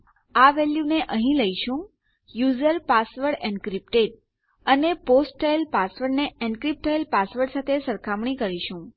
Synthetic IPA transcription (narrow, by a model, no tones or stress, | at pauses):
aʋɛljuneʔəɦĩləiʃũ | juzəɾpasʋəɽɛ̃ɳɖkɾipʈeʈ̚ | əneposʈːajlpasʋəɾɖneɛɳɖkɾip̚ʈajlpasʋəɾɽsat̪ʰesəɾkʰamɳikəɾiʃũ